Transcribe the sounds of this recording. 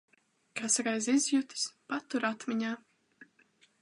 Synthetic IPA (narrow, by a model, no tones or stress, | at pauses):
kasɾajzizjut̪i̥spat̪ːuɾat̪mʲiɲaː